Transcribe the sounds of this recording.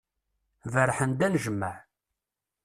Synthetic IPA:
vəɾħənd̪ænʒəmːəʕ

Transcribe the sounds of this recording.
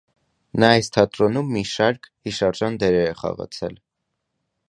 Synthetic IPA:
nɑɑjst̪ʰɑt̪ɾɔnumːiʃɑɾkʰhiʃɑɾʒɑnd̪ɛɾɛɾɛχɑ̰ʁɑ̰t͡sʰɛ̰l

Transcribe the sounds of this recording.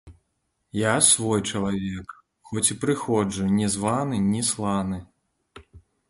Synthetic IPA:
jasvɔjt͡ʂɐlˠavʲɛk | xɔt͡sʲipɾɨxɔd͡ʐɨnʲɛzvanɨnʲislˠanɨ

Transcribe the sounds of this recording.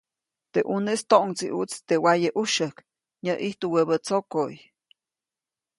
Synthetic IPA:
t̪eʔunest̪oʔŋt͡siʔut͡st̪ewajəʔuʃək | ɲəʔiht̪uwəbət͡sokoj

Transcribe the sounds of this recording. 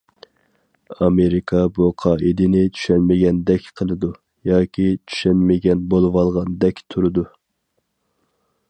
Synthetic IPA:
ɑmeɾɪkʰɑbuqʰɑːʔid̪ɪnɪt͡ʃʰy̥ʃɛnmɪɡʲɛnd̪ɛkʲqʰəlˠɨd̪u | jɑːkʲʰit͡ʃʰy̥ʃɛnmɪɡʲɛnbolˠɨwɑlˠʁɑnd̪ɛkʲt̪ʰuɾɨd̪u

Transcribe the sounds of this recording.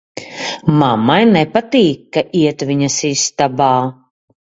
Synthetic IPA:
mamajnɛpat̪iːkːaʔiɛt̪viɲɐsist̪abaː

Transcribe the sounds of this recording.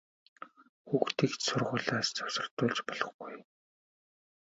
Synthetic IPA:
xuːxt̪ʰiːksʊrʁʊːɮaːst͡sɔwsə̆r̥t̪ʊːɮt͡ɕpɔɮ̥ɞ̆χɡuj

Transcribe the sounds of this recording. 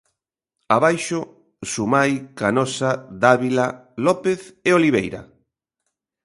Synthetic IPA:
aβajʃʊ | sumajkanɔsaðaβilalɔpeθeoliβ̞ejɾa̰

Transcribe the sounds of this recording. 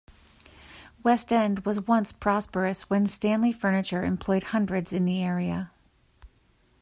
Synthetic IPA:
wɛstɛ̃nd̚wʌzwʌ̃nspʰɹ̥ɑspə˞ɨswɨ̃nstæ̃nlifɜ˞nɨt͡ʃə˞ɨ̰̃mpʰl̥ɔɪd̚hʌ̃ndɹɨdzɨ̃nðiɛɹiɨ̰

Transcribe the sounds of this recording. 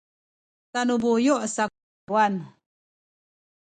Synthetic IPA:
tanubujɔʔsa | uan

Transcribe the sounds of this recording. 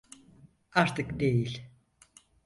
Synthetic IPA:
aɾt̪ʰɯkd̪e̞jilʲ

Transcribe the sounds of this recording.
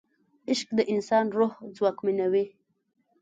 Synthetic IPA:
ɪʃk̚d̪əʔɪnsɑnɾohd͡zwɑkminawi

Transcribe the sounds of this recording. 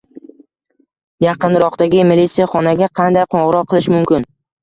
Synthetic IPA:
jɑqɨnɾɒqt̪aɡʲɪmɪlit̪sijaχɒnaɡʲaqʰɑnd̪ajqʰoʁɨɾɒqʰːɨlˠɪʃmʊmkʲɪn

